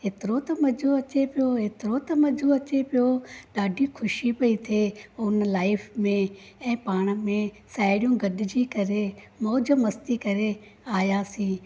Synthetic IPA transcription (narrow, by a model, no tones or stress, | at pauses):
ɦɪt̪ɪɾot̪ɐmɐd͡ʒʱoɐt͡ʃepɪjoɦɪt̪ɪɾot̪ɐmɐd͡ʒʱoɐt͡ʃepijoɗaːɖʱikʰʊʃipɐit̪ʰeːʊnlaːɪfʰmẽ | ɛ̃ːpaːɽ̃mẽ | saːɪɽijũɡɐɗɪd͡ʑiːkɐɾemoːd͡ʒəmɐst̪ikɐɾeaːjasĩː